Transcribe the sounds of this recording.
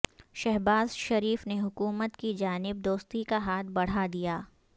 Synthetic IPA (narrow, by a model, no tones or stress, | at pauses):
ʃɛɦbaːzʃɐɾiːfneɦʊkuːmət̪kid͡ʒaːnɪb̚d̪oːst̪ikaɦaːt̪̚ʰbɐɽ̤ad̪ijaː